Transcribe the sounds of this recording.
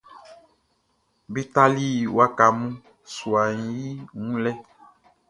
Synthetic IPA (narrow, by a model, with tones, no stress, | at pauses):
bi˦t̪a˦li˦wa˦ka˨mũ˦ | su˨a˨ɲĩ˨ji˦ŋũ˦lɛ˦